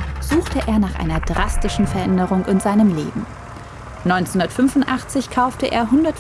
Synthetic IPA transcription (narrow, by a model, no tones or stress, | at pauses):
z̥uːxtəʔeːɐnaːχʔa̰ɪnɐd̥ʁastɪʃn̩fɛɐʔɛndəʁʊŋɪnz̥aɪnəmlḛːbm̩ | nɔʏnt͡shʊndɐtfʏnvʊntʔaχt͡sɪçkʰaʊftəʔḛːɐɦʊndɐt